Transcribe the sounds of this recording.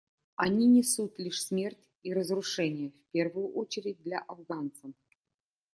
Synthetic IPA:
ɐnʲinʲɪsut̪lʲiʂsmʲe̞rtʲ | iɾəzrʊʂɛnʲɪjəfʲpʲe̞rvʊjʊʔot͡ɕɪɾʲɪd̚ʲd̪lʲaʔɐvɡant̪səm

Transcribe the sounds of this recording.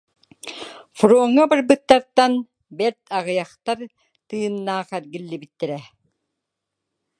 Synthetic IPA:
fuɾuɔŋːabɯɾbɯt̪ːaɾt̪an | bɛɾt̪ʰaʁɯjaχt̪aɾ | t̪ɯːnːaːχɛɾɡilːibit̪ːɛɾɛ

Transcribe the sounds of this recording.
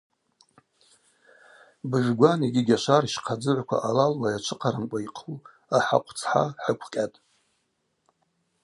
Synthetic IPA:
bɨʒʲʷᶣɡʷaniɡʲiɡʲaʃariʃqʰad͡zɨʕʷkʷʰa̰ʔalalwajat͡ʃʷʰɨqʰaɾɨmkʷʼaiqʰu | aħa̰qʷʰt͡sʰħa̰ħəkʷʰkʲʼatʼ

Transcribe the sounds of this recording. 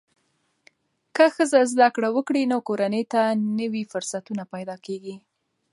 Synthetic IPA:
kəxəzazd̪akɽawəkɽinokoɾanəjt̪anəwifʊɾsat̪unapajd̪ɑkeɡi

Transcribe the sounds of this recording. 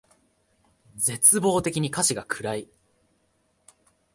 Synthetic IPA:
d͡ze̞t͡sɨbo̞ːt̪e̞kʲiɲ̟ikaɕiɡakʰɯ̟ɾai

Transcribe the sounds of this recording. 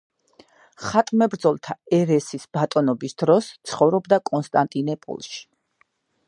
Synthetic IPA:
χat̪ʼmɛbɾd̪zɔlˠt̪ʰaɛɾɛsisb̥at̪ʼɔnɔbisd̪ɾɔst̪sʰχɔvɾɔbd̪akʼɔnst̪ʼant̪ʼinɛpʼṵlˠʃi̥

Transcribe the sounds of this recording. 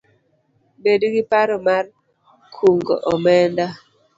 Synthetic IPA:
bedɡɪpaɾɔmar | kʰuŋɡo̰ʔɔmɛnda

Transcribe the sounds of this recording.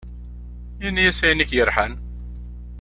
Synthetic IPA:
jinːijæsæjənikjəɾˤħan

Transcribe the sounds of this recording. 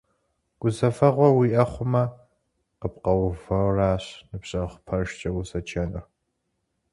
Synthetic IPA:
ɡ̥ʷʊzɐfɐʁʷɔwiːʔɐχʷʊmɐ | qəpqɐwvɐwraːɕnɨpɕʼɐχʷpʰɐrʃt͡ʃʼɐwʊsɐt͡ʃʰɐnɨr

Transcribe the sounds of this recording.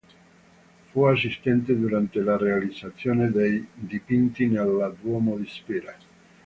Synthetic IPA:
fuas̬ist̪ɛnt̪ed̪uɾant̪elarealid̪zat̪sːjoːned̪ejd̪ipint̪inelːad̪wɔmod̪ispiɾa

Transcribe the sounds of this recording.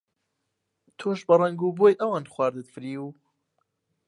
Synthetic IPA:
t̪ʰoːʃbɐrˤɐŋɡuːbojʔɐwaːnχwaːɾd̪ɨt̪fɨɾiːu

